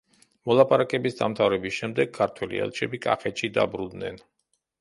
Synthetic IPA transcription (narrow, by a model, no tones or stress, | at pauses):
mɔlˠapʼaɾakʼɛbisd̪amt̪ʰavɾɛbisʃɛmd̪ɛɡ̥̚kʰːaɾt̪ʰwɛlḭɛ̰lˠt͡ʃʰɛbikʼa̰χɛt̪ʃid̪a̰bɾud̪nɛ̰n